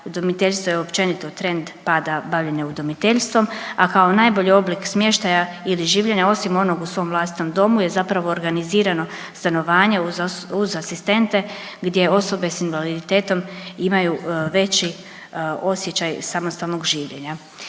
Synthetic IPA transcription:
ud̪omit̪eʎʲst̪ʋojeopt͡ʃe̞nit̪o̞t̪ɾe̞nd̪paːd̪abaʋʎe̞neud̪omit̪eʎst̪ʋo̞makao̞najbo̞ʎio̞bliksmje̞ʃt̪ajailiʒiːʋʎe̞ɲao̞simo̞no̞ɡusʋo̞mvlˠaːst̪i̥t̪omd̪o̞muje̞zapɾaʋo̞ːɾɡaniziːɾano̞ | st̪ano̞ʋaːɲe̞uzasist̪e̞nt̪e̞ | ɡd̪je̞o̞so̞be̞sinʋalid̪it̪e̞ːt̪o̞mimajuʋe̞t͡ɕi | o̞sje̞t͡ɕajsamo̞st̪alnoɡʒiːʋʎe̞ɲa

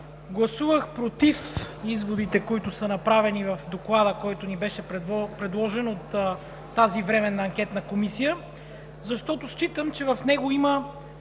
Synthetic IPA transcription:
ɡlˠɐsuvəxpɾot̪if | izvod̪it̪ɛkoit̪ʊsənɐpɾavɛnivɐfd̪oklˠad̪əkɔjt̪onibɛʃɛp̪pɾɛd̪lˠɔʒɛnot̪ː | azivɾɛmɛnːɐːŋkʲɛt̪nɐkomisijə | zɐʃt̪ɔt̪oʃt͡ʃit̪əmt͡ʃɛvɐfnɛɡoimə

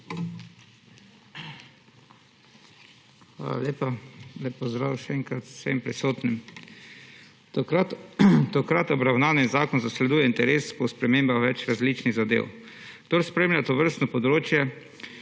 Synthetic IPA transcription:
xʋa̰ːla̰lʲeːpalɛpɔzd̪ɾawʃɛɛŋkɾat̪ssʋḛmpɾisoːt̪nim | t̪okɾat̪ɔbɾawnaːninzaːkɔnzaslɛd̪uːjɛint̪ɛɾeːspɔspɾɛmeːmbaxʋɛt͡ʃɾazliːt͡ʃniɣzad̪ḛw | ɡd̪oɾspɾemlʲat̪oʋəɾst̪nɔpɔd̪ɾoːt͡ʃjɛ

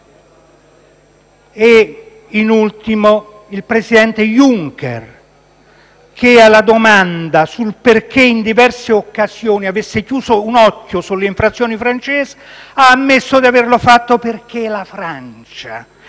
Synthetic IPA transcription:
e | inult̪imo | ilpɾesid̪ɛnt̪ejuŋkɛ̰r | k̟ealad̪omand̪asulperk̟eind̪ivɛrseokːazjoːniavesːɪkjuːzounɔkːosulːeiɱfɾat̪sːjoːnifɾant͡ʃɛːsaːmːesːod̪iaverlofat̪ːoperk̟elafɾant͡ʃa

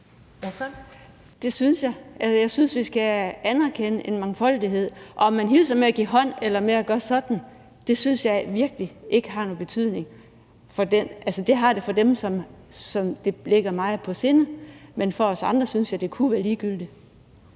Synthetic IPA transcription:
d̥e̝synsjɑ̈ɪʔælsəjɑ̈ɪsynsʋisɡ̥æænæɐkʰenəʔe̝nmɑ̈ŋfɒ̽l̰d̥iɦe̝ð̞̰ˠʔɒ̽ɒmːænɦilsɐmeæɡ̥ḭːɦɒ̽n̰elɐmeæɡ̥ɶːɐsɒ̽d̥n̩ | d̥e̝synsjɑ̈ɪʋiɐɡ̥liʔe̝ɡ̥əɦɑ̈no̽ːb̥e̝t͡sʰyð̞̰ˠne̝ŋ | fɒ̽d̥enʔælsəd̥e̝ɦɑ̈ɾ̥e̝fɒ̽d̥emsɒ̽msɒ̽md̥e̝le̝ɡ̥ɐmɑ̈ɪðˠpʰɒ̽se̝nəmenfɒ̽ɒ̽sɑ̈nd̥ʁɐsynsjɑ̈ɪd̥e̝kʰuʋæːɐliːɡ̥yl̰d̥i

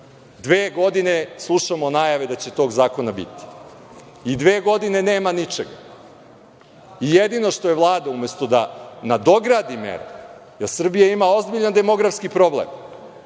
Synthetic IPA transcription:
d̪ʋeːɡo̞d̪ineslˠuʃamonajaʋe̞d̪at͡ɕe̞t̪o̞ːɡzaːko̞nabḭt̪i̥ | id̪ʋeːɡo̞d̪ine̞neːmanit͡ʂeɡa | ijed̪ino̞ʂt̪o̞jevlˠaːd̪aume̞st̪o̞d̪anad̪o̞ɡɾad̪imḛɾa̰ | jeɾsr̩bijaimao̞zbiʎand̪e̞mo̞ɡɾafskipɾo̞blḛm

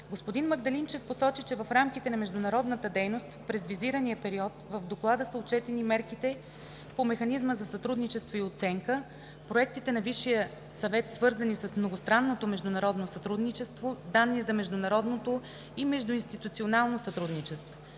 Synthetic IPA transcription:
ɡospod̪inməɡd̪ɐlint͡ʃɛfposɔt͡ʃit͡ʃɛvɐfɾamkit̪ɛnɐmɛʒd̪ʊnɐɾɔd̪nət̪əd̪ɛjnost̪pɾɛzviziɾənijəpɛɾiɔt̪vəvd̪oklˠad̪əsəot͡ʃɛt̪ɛnimɛɾkit̪ɛ | pomɛxɐnizməzɐsɐt̪ɾud̪nit͡ʃɛst̪voiot̪sɛŋkə | pɾoɛk̚t̪it̪ɛnɐviʃːijə | sɐvɛt̪svɤɾzənisɐsmnoɡʊst̪ɾanːot̪omɛʒd̪ʊnɐɾɔd̪nosɐt̪ɾud̪nit͡ʃɛst̪vod̪anːizɐmɛʒd̪ʊnɐɾɔd̪not̪o | imɛʒd̪ʊinst̪it̪ut̪sionalˠnosɐt̪ɾud̪nit͡ʃɛst̪vo

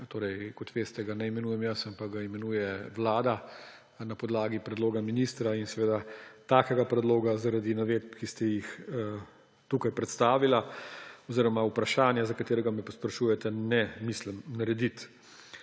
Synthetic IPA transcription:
t̪oːɾɛjkɔt̪ʋeːst̪ɛɡanɛimɛnujɛmjəsampakɡaimɛnuːjɛʋlaːd̪a | napɔd̪laːɡipɾɛd̪loːɡaminist̪ɾainsɛʋeːd̪at̪aːkɛɡapɾɛd̪loːɡazaɾad̪inaʋeːd̪bkist̪ɛjix | t̪uːkajpɾɛt̪st̪aːʋilaɔziːɾɔmaupɾaʃaːnjazakat̪eːɾɛɡamɛpɔspɾɐʃuːjɛt̪ɛnɛmisləmnaɾɛd̪it̪

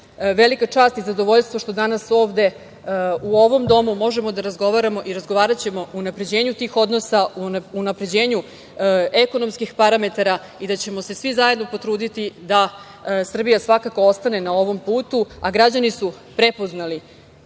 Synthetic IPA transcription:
ʋe̞likat͡ʂaːst̪izad̪o̞ʋo̞ʎst̪vʋoʃt̪od̪anaso̞ːʋd̪e̞ | uo̞ʋo̞md̪o̞mumo̞ʒe̞mod̪aɾazɡoʋaɾamo̞ʔiɾazɡo̞ʋaːɾat͡ɕe̞mo̞unapɾe̞d͡ʑe̞ːɲut̪iːxo̞d̪nosauunapɾe̞d͡ʑe̞ːɲu | eko̞no̞mskixpaɾame̞t̪aɾa | id̪at͡ɕe̞mo̞se̞sʋizaje̞d̪no̞po̞t̪ɾuːd̪it̪id̪a | sr̩bijasʋakako̞o̞st̪ane̞nao̞ʋo̞mpuːt̪uaɡɾad͡ʑanisu | pɾe̞po̞znali

